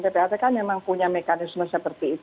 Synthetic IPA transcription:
t̪epeat̪ɛkanmemaŋpuɲamekanɪsməsəpərt̪iːt̪

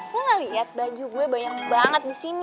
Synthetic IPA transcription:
kuŋaliat̪̚bad͡ʒuɡuɛbaɲaŋbaŋət̪̚disin

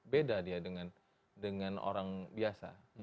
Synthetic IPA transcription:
bedadiadəŋan | dəŋano̰ɾaŋbiasa̰

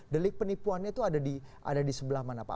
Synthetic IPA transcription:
dəlɪk̚pənipuanɲait̪uadadiʔa̰dadisəbəlahmanapa̰

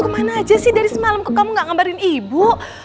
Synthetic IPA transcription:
kəmanaːd͡ʒasɪhdaɾisəmaləmkokamuŋɡaʔŋambaɾɪnibu

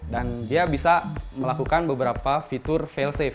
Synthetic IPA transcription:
dandiabisaməlakukanbəbəɾapafit̪ʊrfɛlsɛf

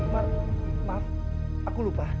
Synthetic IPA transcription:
mama | akulupa

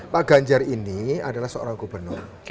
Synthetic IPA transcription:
paʔɡ̥aɲd͡ʒariniadalahsəo̰ɾaŋkubənʊr

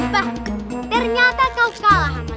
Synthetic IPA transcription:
pat̪erɲat̪akawkala

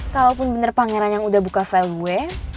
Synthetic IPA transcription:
kalawpʊnbənərpaŋeɾanjaŋudahbukafɛluɛ

